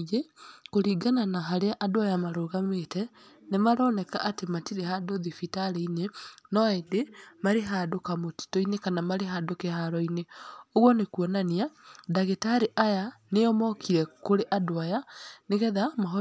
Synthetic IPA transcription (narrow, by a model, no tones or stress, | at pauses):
ɣekoɾiːɡananaɦaɾeaʔadoajamaɾoːɣametɛ | nemaɾɔnɛkaʔatematiɾehadoðifitaɾeinenɔɛdemaɾeɦadokamoti̥tɔinekanamaɾeɦadokehaɾɔineoɣwɔnekuɔnaniadaɣetaɾiʔajaneɔmɔkʰiɾɛkoɾeʔadoajaneɣɛðamaɦɔ